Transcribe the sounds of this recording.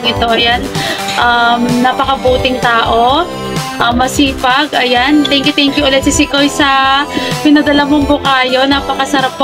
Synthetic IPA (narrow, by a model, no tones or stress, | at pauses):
ɪt̪o̞ʔɐjanʔɐmnɐpɐkɐbuːt̪ɪŋt̪aːʔo̞ | ʔɐmːɐsiːpɐɡɐjant̪ɛŋkjʊt̪ɛŋkjʊʔɐlɛt̪sisɪkojsɐpɪnɐd̪ɐlɐmoŋbʊkaːjo̞napɐkɐsɐɾap̚ː